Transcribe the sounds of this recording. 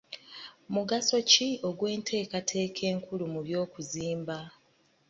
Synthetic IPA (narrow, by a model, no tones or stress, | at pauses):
muɡaso̞cio̞ɡwe̞ːntʰe̞ːkatʰe̞ːkʰe̞ːŋkulumuβjo̞ːkuziːmba